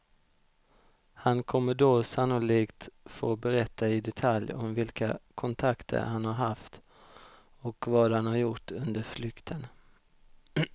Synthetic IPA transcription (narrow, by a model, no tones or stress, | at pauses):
hankʰɔmːəɖoːsanːʊliːkt̪foːbɛɾɛt̪ʰːaɪd̪ɛt̪ʰaljɔ̰mvɪlka̰kʰɔnt̪ʰakt̪ʰə̰ɾhanhaɾɦaft̪ | ɔkvɑːd̪hanhaɾjʊʈːɵnd̪əɾflʏkt̪ʰən